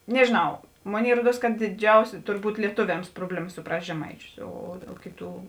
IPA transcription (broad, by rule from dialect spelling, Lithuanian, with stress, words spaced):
nʲɛʒʲeːˈnɐʊ ˈmoːˌnʲeːɪ ˈruɔˌduɔs kɐt dʲɪˈd͡ʒʲɛʊsʲɪ ˈtʊrˌbuːt lʲiɛˈtʊʋʲɛms ˈproːbʲlʲɛˌmɐ sʊˈprɐsʲtʲ ʒʲɛˈmɐɪˌt͡ʃʲʊs oː oː ˈkʲeːˌtuː